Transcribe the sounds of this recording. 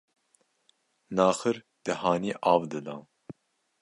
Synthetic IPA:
nɑːxəɾ | d̪̥ɨhɑːniːʔɑːvd̪ɨd̪ɑː

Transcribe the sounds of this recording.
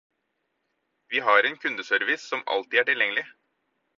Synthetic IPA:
ʋiːɦɑːɾeːnkʰʉnd̪əsœɾʋɪsːɔmɑ̰lt̪ɪæːʈɪljɛŋlɪ

